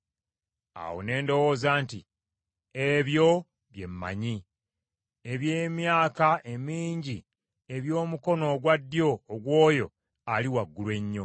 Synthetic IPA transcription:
a̰wo̞̰ne̞ːndo̞wo̞ːzaːnti | eβjo̞ | βje̞mːa̰ɲi | eβje̞ːmjaːkaʔe̞miːɲɟi | e̞βjo̞ːmuko̞no̞ːɡwadːjo̞ːɡwo̞ːjo̞̰ | aliwaɡːulwe̞ɲːo̞

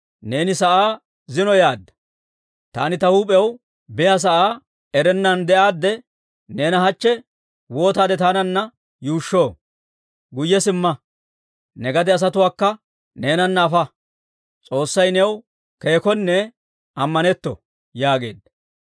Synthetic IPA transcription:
ne̞ːnɪsɐʔaː | zɪnɔjaːd̪ːɐ̥ | t̪aːnɪt̪ɐhuːpʼɛw | bɪjas̬ɐʔaː | ɛɾɛnːɐnd̪ɛʔaːd̪ːɛ | ne̞ːnɐɦɐt͡ʃːɛ | wo̞ːt̪aːd̪ɛt̪aːnɐnːɐ | juːʃːo̞ː | ɡʊjːɛsɪmːɐ | nɛɡɐd̪ɛɐs̬ɐt̪ʊwaːkːɐ | ne̞ːnɐnːɐːfɐ | t͡sʼo̞ːsːɐjnɛw | ke̞ːkɔnːɛ | ɐmːɐnɛt̪ːɔ̰ | jaːɡe̞ːd̪ːɐ

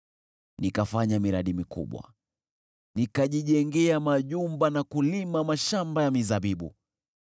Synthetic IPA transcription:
nikafaɲamiɾaɗimikṵɓwa̰ | nikaʄiʄɛŋɡɛamaʄumbanakulimamaʃambajamizaɓiɓṵ

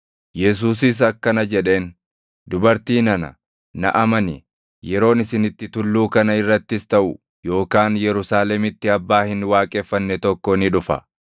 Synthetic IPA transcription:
jɛs̬uːs̬ɪs̬ɐkːɐnɐd͡ʒɛᶑe̞ːn | d̪ʊbɐɾt̪iːnɐnɐ̰ | nɐ̰ʔɐmɐnɪ | jɛɾo̞ːnɪsɪnɪt̪ːɪt̪ʊlːuːkɐnɐɪrːɐt̪ːɪst̪ɐʔʊ | jo̞ːkaːnjɛɾʊsaːlɛmɪt̪ːɪɐbːaːhɪnwaːkʼɛːfːɐnːɛt̪ɔkːɔnɪᶑʊfɐ̰

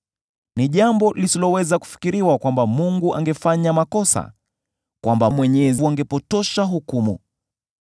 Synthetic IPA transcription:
niʄambɔlisilɔwɛzaku̥fi̥kiɾiwakwambamuŋɡuʔaŋɡɛfaɲamakɔsa̰ | kwambamwɛɲɛzaŋɡɛpɔtɔʃaɦukumṵ

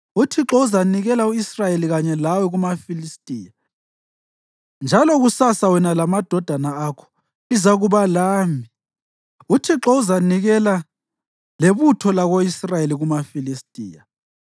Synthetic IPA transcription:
utʰiǁɔuzaniɣɛlauisrajeliɣaɲɛlawɛɣumafilistʼiːja | nd͡ʒʱalɔɣusasawɛnalamad̥ʱɔd̥ʱanaakʰɔ̥ | izaɣuβalaːmi | utʰiǁɔuzaniɣɛla | leβutʰɔlaɣoisrajeliɣumafilistʼḭːja

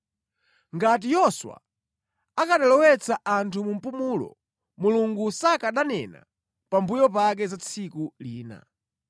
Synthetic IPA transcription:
ŋɡat̬ijɔswa̰ | akaɗalɔwɛt͡sʰaʔantʰumum̩pumulɔ̰ | muluŋɡusakaɗanɛna̰ | pambujɔpak̬ɛzat͡sʰikuliːna̰

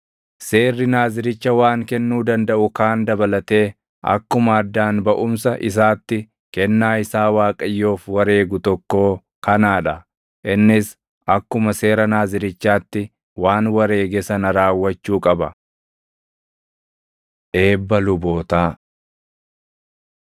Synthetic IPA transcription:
se̞ːrːɪnaːzɪɾɪt͡ʃːɐwaːŋkɛnːuːd̪ɐnd̪ɐʔʊkaːnd̪ɐbɐlɐt̪e̞ː | ɐ̰kːʊmɐːd̪ːaːnbɐʔʊmsɐʔɪ̰s̬aːt̪ːɪ | kɛnːaːɪsaːwaːkʼɐjːo̞ːfwɐɾe̞ːɡʊt̪ɔkːo̞ː | kɐnaːᶑɐ | ʔɪnːɪs | ʔɐkːʊmɐse̞ːɾɐnaːzɪɾɪt͡ʃːaːt̪ːɪ | waːnwɐɾe̞ːɡɛsɐnɐɾaːwːɐt͡ʃːuːkʼɐbɐ | ʔe̞ːbːɐlʊbo̞ːt̪aː

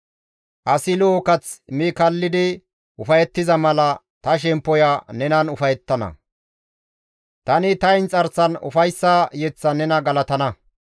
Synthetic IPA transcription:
ʔɐsɪloːkɐt͡smɪkɐlːɪd̪ɪ | ʔʊfɐjɛt̪ːɪzɐmɐlɐ | t̪ɐʃ̬ɛmpːɔjanɛnɐnʊfɐjɛt̪ːɐnɐ̰ | t̪ɐnɪt̪ɐjnt͡sʼɐɾsɐnʊ̰fɐjsːajɛt͡sːɐnɛnɐɡɐlɐt̪ɐnɐ

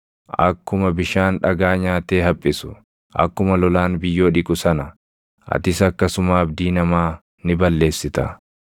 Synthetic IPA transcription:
ʔɐ̰kːʊmɐbɪʃaːnᶑɐɡaːɲaːt̪e̞ːɦɐpʼːɪsʊ̥ | ʔɐ̰kːʊmɐlɔlaːnbɪjːo̞ːᶑɪkʼʊsɐnɐ | ʔɐ̰t̪ɪsɐkːɐsʊmaːbd̪iːnɐmaː | nɪbɐlːe̞ːsːɪt̪ɐ̰

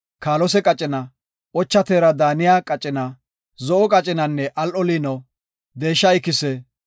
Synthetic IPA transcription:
kaːlɔsɛkʼɐt͡ʃʼɪnɐ | ʔɔt͡ʃːɐt̪eːɾɐd̪aːnɪjaːkʼɐt͡ʃʼːɪnɐ | zɔʔɔkʼɐt͡ʃʼɪnɐnːɛʔɐlʔɔliːnɐw | d̪e̞ːʃːɐɪkːɪsɛ

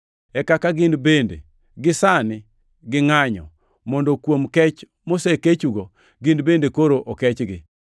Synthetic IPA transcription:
ɛkakaɡɪnbendḛ | ɡɪsanɪ | ɡɪŋaɲɔ̰ | mɔndokwomkɛt͡ʃ | moseket͡ʃuɡo | ɡɪnbendekoɾoʔɔkɛt͡ʃɡɪ

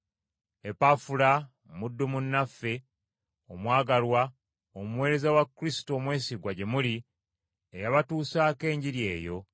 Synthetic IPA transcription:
e̞pafula | mudːumunːafːe̞ | omwaːɡalwa | omuwe̞ːɾe̞zawakːɾisi̥to̞ːmwe̞ːsiɡwaɟe̞muli | ejaβatuːsaːke̞ːɲɟiɾje̞̰ːjo̞

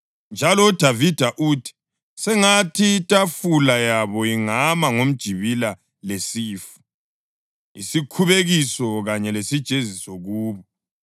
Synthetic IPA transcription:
nd͡ʒʱalɔud̥ʱavid̥ʱaʔutʰi̥ | sɛŋatʰitʼafulajaβɔiŋamaŋom̩d̥ʒ̥ʱiβila | lesiːfu̥ | ḭsikʰuβeɣisɔɣaɲɛlesid̥ʒ̥ʱezisɔɣuːβɔ

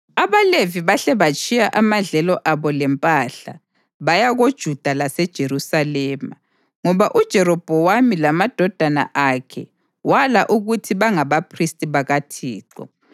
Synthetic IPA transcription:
aβaleviβaɬɛβat͡ʃʼijaʔamaɮɛlɔʔaβɔlɛmpʼaɬa̰ | βajaɣod̥ʒ̥ʱud̥ʱalasɛd̥ʒ̥ʱeɾusalɛːma | ŋɔβaʔud̥ʒ̥ʱɛɾɔb̥ʱɔwamilamad̥ʱɔd̥ʱana̰ʔakʰɛ | walaʔuɣutʰiβaŋaβapʰristʼiβaɣatʰiːǃɔ̰

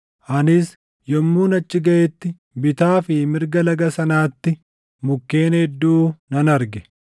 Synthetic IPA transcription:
ʔɐnɪs | jɔmːuːnɐt͡ʃːɪɡɐʔɛt̪ːɪ | bɪt̪aːfɪmɪɾɡɐlɐɡɐsɐnaːt̪ːɪ | mʊkːe̞ːnɛd̪ːuːnɐnɐɾɡɛ̥

